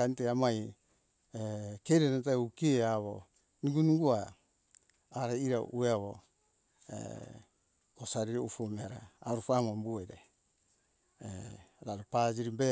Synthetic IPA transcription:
aniteamaj | ekeɾenat̬aukieaβo | niɡunuɡua | ɾeiɾaʔueaβo̰ | ḛ | kosaɾiɾeufomeaɾaaɾufamombueɾe | eɾaɾupad͡ʒiɾibe

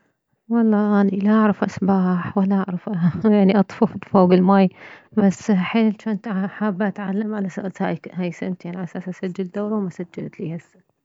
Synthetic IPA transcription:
wɑlˤːɑːʔanilaʔaʕɾɑfʔasbaːħwalaʔaʕɾɑfʔajaʕniʔɑt̪ˤfɑft̪foːɡɪlmaːjbasːħeːnt͡ʃaʔnt̪ħaːbːaʔat̪ʕalːamʕalasaʔt̪haːjhaːjsɪ̰mt̪jaʕniʔasaːsʔasad͡ʒːald̪aːɾwmasad͡ʒːalt̪lihasːa

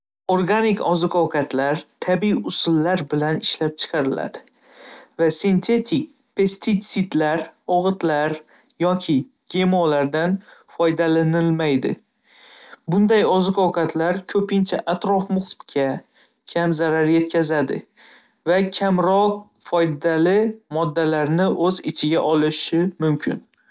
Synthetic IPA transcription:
oɾɡanɪkɒzɨqɒwqʰɑt̪ʰlaɾt̪ʰabiiʊsʊlːaɾbɪlanɪʃlap̚t͡ʃʰɨ̥qʰɑɾɪla̰d̪̥ɪ | vasɪnt̪ʰe̞t̪ʰɪk̚ʲ | pʰe̞st̪ʰit̪sɪd̪laɾɒʁɨt̪laɾ | jɒkʲʰɪ | ɡ̥ʲe̞mɒlaɾd̪anfɒjd̪alanɪlmajd̪ɪ̰ | bʊnd̪ajɒzɨqɒwqʰɑt̪ʰlaɾkʲʰɵpɪnt͡ʃʰaʔat̪ɾɒfmʊχt̪kʲʰa | kʲʰamzaɾaɾje̞t̪̚kʲazad̪ɪ̰ | vakʲʰamɾɒq̚fɒjd̪alɪmɒd̪ːalaɾnɪʔɵzɪt͡ʃʰɪɡʲaʔɒlɪʃɪmʊmkʲʰɪ̰n

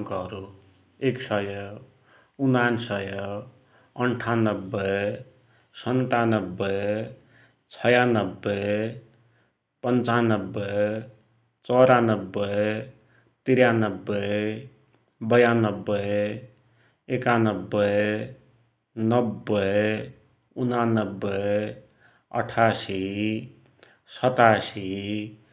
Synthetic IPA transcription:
kʌɾu | eksʌjʌ | unansʌjʌ | ʌɳʈʰanʌbːʌ | sʌnt̪anʌbːʌ | t͡sʰʌjanʌbːʌ | pʌnt͡sanʌbːʌ | t͡sʌɾanʌbːʌ | t̪iɾjanʌbːʌ | bʌjanʌbːʌ | ekanʌbːʌ | nʌbːʌ | unanʌbːʌ | ʌ̰ʈʰasi | sʌt̪asi

